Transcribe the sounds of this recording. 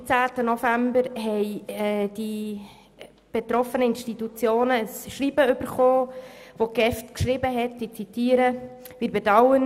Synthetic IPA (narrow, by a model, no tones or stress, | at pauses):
t͡sæːtənɔfæmbəɾɦɛɪɛd̥i | b̥et̪ɾɔfənəɪnʃtitut͡sjoːnəəsʃriːbəʏb̥əɾχoːvoɡ̥ɛftkʃɾɪbəɦɛtd̥it͡sitiːəɾə | vɪːɾbɛdɑwən